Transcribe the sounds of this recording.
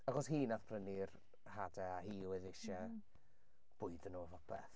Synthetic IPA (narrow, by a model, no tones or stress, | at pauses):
aχɔshiːnaθb̥ʰrənir | hadɛaɦiːwɛðɪʃɛ | b̥ʊɨdənoːvɔpʰɛ̰θ